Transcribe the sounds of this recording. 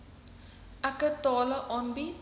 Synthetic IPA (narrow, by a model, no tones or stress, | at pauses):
ɐkət̪ɔːləʔɔnbi